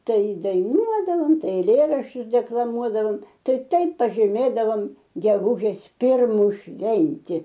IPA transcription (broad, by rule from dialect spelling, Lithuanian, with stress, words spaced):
ˈtɐɪ dɐɪˈnuɔdɐʋoːm ˈtɐɪ ɛɪˈlʲeːrɐʃʲt͡ʃʲʊs dʲɛklˠɐˈmuɔdɐʋoːm ˈtɐɪ ˈtɐɪp pɐʒʲiːˈmʲeːdɐʋoːm ɡʲɛˈɡʊʒʲeːs ˈpʲɪrmʊ ˈʃʲʋʲɛnʲtʲɪ